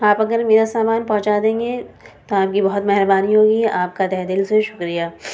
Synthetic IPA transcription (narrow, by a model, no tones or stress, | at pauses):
aːpɐɡəɾmeːɾasaːmaːnpɐ̃ɦʊ̃t͡ʃad̪ẽːŋɡet̪oaːp̚kibɐɦʊt̪mɛɦɾəbaːniɦoːɡiaːp̚kad̪ɛɦd̪ɪlseʃʊkɾijaː